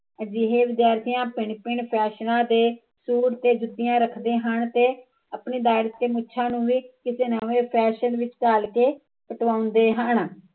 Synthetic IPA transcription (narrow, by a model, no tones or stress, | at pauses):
d͡ʒiɦeːʋɪd̪jaːɾt̪ijãːpɪɳpɪɳpʰɛːʃnãːd̪eː | suːɾt̪eːd͡ʒʊd̪ɪjãːɾəkʰd̪eːɦənt̪eː | əpɳiːd̪aːɾɪt̪ːeːmʊːʃʰãːnũːʋiːkɪseːnaːʋeːpʰɛːʃənʋɪt͡ʃt͡ʃaːlkeː | pəʈʋãːʊnd̪eːɦən